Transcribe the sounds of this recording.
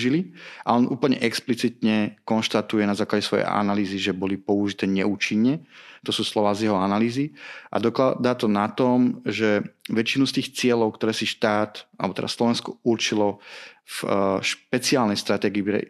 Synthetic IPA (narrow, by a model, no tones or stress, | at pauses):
ʒiliʔa̰ɔnuːpl̩ɲɛ̰ʔɛksplit͡sit̪ɲɛkɔnʃt̪at̪ujɛnazaːklaɟɛsʋɔjɛ̰ʔa̰naliːziʒɛbɔlipɔuʒit̪ɛːɲɛuːt͡ʃiɲːɛt̪ɔsuːslɔʋaːzjɛɦɔanaliːziʔa̰d̪ɔkad̪aːt̪ɔnat̪ɔmʒɛʋɛt͡ʃinust̪iːxt͡sɪɛlɔʊkt̪ɔɾɛːsiʃt̪aːt̪a̰lɛ̰bɔt̪ɛd̪aslɔʋɛnskɔuɾt͡ʃilɔfʃpɛt͡siaːlnɛjst̪ɾat̪ɛːɡiːpɾɛ̰